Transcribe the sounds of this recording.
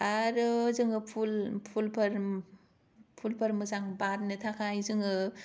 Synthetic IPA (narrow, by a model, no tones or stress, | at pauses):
aɾɯzɯŋɯpʰulpʰulpʰɐɾ | pʰulpʰɐɾmɯzaŋbat̚nɯtʰakʰajzɯŋɯ